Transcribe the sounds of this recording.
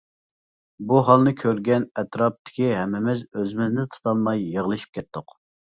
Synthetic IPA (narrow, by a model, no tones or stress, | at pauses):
buɦɑlˠnɨkʲʰøɾɡʲɛnɛt̪ɾɑp̚t̪ʰɪ̥kʲiɦɛmːɪmɪzøzɪmɪznɪt̪ʰu̥t̪ʰɑlˠmɑjːəʁəlˠɨʃi̥p̚kʲʰɛt̪ʰːʊq